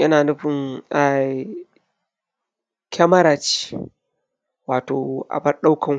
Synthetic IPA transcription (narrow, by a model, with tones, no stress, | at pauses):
jɐ˦naː˨nʊ˦ɸɪ˨ŋa˨ | kʲʰɐ˦mɐ˦ɾaː˨t͡ʃi̥˦ | waː˨toː˨ʔa̰˨bɐ˦rɗa˦wkʰɐ˨ŋ